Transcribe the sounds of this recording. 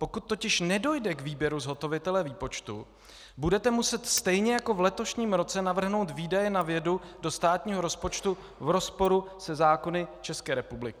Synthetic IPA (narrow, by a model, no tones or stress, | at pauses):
po̞kut̪ːo̞cɪʃnɛdo̞jdɛkviːbjɛɾuzɦo̞t̪o̞vɪt̪ɛlɛviːpo̞t͡ʃt̪ṵ | budɛt̪ɛmusɛt̪st̪ɛjɲɛjako̞vlɛt̪o̞ʃɲiːmɾo̞t͡sɛnavr̩ɦno̞wt̪viːdajɛnavjɛdudo̞st̪aːt̪ɲiːɦo̞ɾo̞spot͡ʃt̪u | vɾo̞spo̞ɾusɛzaːko̞nɪt͡ʃɛskɛːɾɛpublɪkɪ